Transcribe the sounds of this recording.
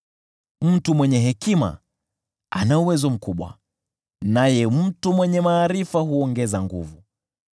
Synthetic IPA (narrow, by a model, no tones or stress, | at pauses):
m̩tumwɛɲɛɦɛkima̰ | anauwɛzɔm̩kuɓwa̰ | najɛm̩tumwɛɲɛmaːɾifaɦuɔŋɡɛzaŋɡṵvu